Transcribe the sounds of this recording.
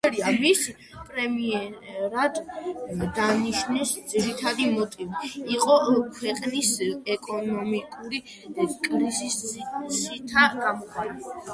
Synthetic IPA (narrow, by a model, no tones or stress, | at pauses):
ɛɾiamis | pʼɾɛmiɛɾad̪ | d̪aniʃnɛsd̪ziɾit̪ʰad̪imɔt̪ʼiviiqʼɔkʰwɛqʼnisɛkʼɔnɔmikʼuɾi | kʼɾizissit̪ʰaɡamɔχʰaɾa